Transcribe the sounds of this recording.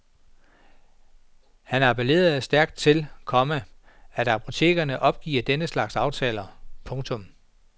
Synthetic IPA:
hænɑpʰele̝̰ːɐð̩ˠæsd̥æɐɡ̥d̥̚t͡sʰe̝lkʰɒ̽mə | æɾ̥ɑ̈pʰo̝t͡sʰe̝̰ːɡ̥ɐnəʔɒ̽b̥̚ɡ̥ḭːɐd̥enəslɑ̈ɡ̥sɑ̈ʊt͡sʰɛ̰ːlɐpʰɔ̽ŋt͡sʰɔ̽m

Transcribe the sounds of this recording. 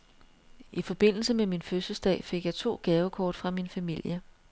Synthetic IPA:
ʔifɒ̽b̥e̝n̰l̩səmeminføsəsd̥ɛ̰ːfe̝ɡ̥jɑɪt͡sʰo̝̰ːɡ̥ɛːʊəkʰɒːd̥fʁɑ̈minfæmil̰jə

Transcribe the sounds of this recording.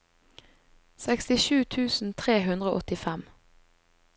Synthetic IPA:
sɛkst̪ɪʃʉːt̪ʰʉːsn̩t̪ʰʁeːɦʉnd̪ʁəoʔɔt̪ɪfɛm

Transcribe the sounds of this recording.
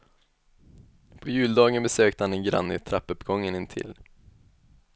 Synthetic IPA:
pʰɔjʉ̟ːld̪ɑːɡənbɛsøːkt̪əhanɛnɡɾa̰nːɪ̰t̪ʰɾapːœpɡɔŋːənɪnt̪ʰɪ̰l

